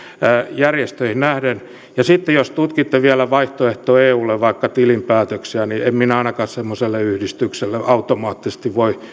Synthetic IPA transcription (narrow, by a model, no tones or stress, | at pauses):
jærjest̪øihinæhden | jɑsit̪ːejost̪ut̪kit̪ːeʋiælæʋɑiht̪oeht̪oːeːuːlːeʋɑikːɑt̪ilimpæːt̪øksiæniemminɑinɑkɑssemːoselːeyhdist̪ykselːeʔɑut̪omɑːt̪ːise̥st̪iʋʋoi